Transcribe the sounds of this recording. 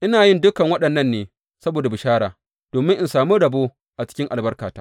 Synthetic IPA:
ʔɪ˦naː˨jɪ˦ndʊ˦kɐ˨ŋwɐ˦ɗɐ˨nːɐ˦nːeː˨ | sɐ˦boː˨da˨bɪ˨ʃaː˦ɽaː˨ | d̥oː˨mɪ˦ŋʔɪ˨nsaː˨mu˦ɽɐ˨boː˦ | ʔa˨t͡ʃɪ̥˦kʲɪ˦ŋʔa˨lbɐ˦rkaː˨taː˦

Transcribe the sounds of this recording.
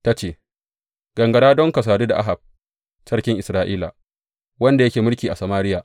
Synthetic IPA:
ta˦t͡ʃeː˨ | ɡ̥ɐ˨ŋɡɐ˨ɽaː˦dɔ˦ŋkɐ˨s̬aː˨duː˦da˨ʔa˦ɦa˨b̚ | t͡ʃɐ˦rkʲɪ˦ŋʔɪ˨sɾaː˦ʔiː˦la̰˨ | wɐ˦nda˨jɐ˦kʲeː˨mʊ˦rkʲiː˨ʔa˨sɐ˨maː˦ɾɪ˦jaː˨

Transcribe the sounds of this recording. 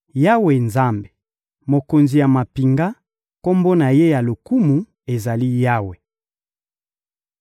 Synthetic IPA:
ja˦we˨nza˦mbe̥˨ | mo˨ko˨nzi˨ja˨ma˨pi˨ŋɡa˦ | ko˦mbo˦na˨je˦ja˨lo˨ku˦mu˨ | e˨za˨li˦ja˦we˨

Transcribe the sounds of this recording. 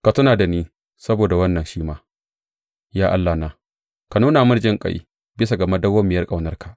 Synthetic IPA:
ka˨tʊ˦naː˨da˨niː˦ | sɐ˦boː˨da˨wɐ˦nːɐ˨nʃiː˦maː˦ | jaː˦ʔa˦lːaː˨naː˨˦ | ka˨nuː˦na˨mʊ˦rd͡ʒɪ˦ŋkʼa̰˨jḭ˦ | bɪ˦s̬a˨ɡɐ˨ma˦dɐ˦wːɐ˦mːɪ˨jɐ˦rkʼa˨wnɐ˦rkʰa˨ʔ

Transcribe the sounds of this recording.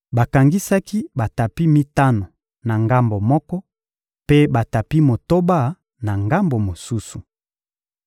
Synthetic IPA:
ba˨ka˨ŋɡi˦sa˦ki˦ba˨ta˨pi˦mi˦ta˦no˨ | na˨ŋɡa˦mbo˨mɔ˦kɔ˦ | pe˦ba˨ta˨pi˦mo˨to˦ba˦˨ | na˨ŋɡa˦mbo˨mo˨su˦su˨

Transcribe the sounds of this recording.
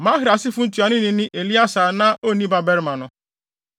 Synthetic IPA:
ma˦ɦɪ˨˦ɾa˨si˦fu˦n̩˦tu˨˦a˨ni˦ni˨nɪ˦ʔe˨li˦a˦sa˨na˦ʔo˦˨ni˦ba˨bɛ˦ɾma˨nʊ˨

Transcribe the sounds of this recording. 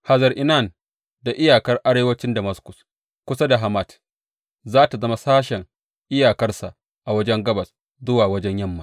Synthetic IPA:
ha˨zɐ˨ɾʔɪ˨na˦˨n | da˨ʔɪ˦jaː˨kɐ˦rʔa˦ɾeː˦wɐ˦t͡ʃɪ˦ndɐ˨mɐ˦skʷʊ˨s | kʷʊ˦sa˦da˨ɦa˨mɐ˦t | zaː˦ta˨zɐ˦ma˨˦saː˦ʃɛ˨ŋ | ʔɪ˦jaː˨kɐ˦rsa˨ | ʔa˨wɐ˦d͡ʒɛ˦ŋɡɐ˦bɐ˨s | zʊ˦waː˨wɐ˦d͡ʒɛ˦ɲjɐ˦mːa˨

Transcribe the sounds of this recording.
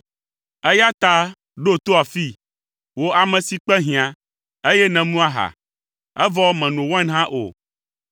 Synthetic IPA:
ɛ˦ja˦t̪a˦ | ɖo˦t̪o˦a˨fi˦ | wo˦ʔa˨mɛ̃˨si˨k͡pɛ˦ɦĩ˨ã˨ | e˦jɛ˦nɛ̃˨nũ˦a˦ɦa̰˨ | ɛ˦vɔ˦mɛ̃˨nũ˨wã˦nɦã˦ʔo̰˨

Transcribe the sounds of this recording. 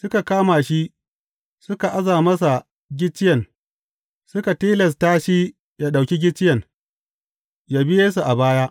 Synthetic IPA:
sʊ˦ka˨kaː˦maː˨ʃi˦ | sʊ˦ka˨ʔa˦zaː˨mɐ˦s̬a˨ | ɡʲɪ˦t͡ʃːɪ˦jɐ˨n | sʊ˦ka˨tiː˦lɛ˨s̬taː˦ʃi˦ | ja˦ɗa˨wkʲi˦ɡʲɪ˦t͡ʃːɪ˦jɐ˨n | ja˦bɪ˦jeː˦s̬u˨ʔa˨baː˦jaː˦ʔ

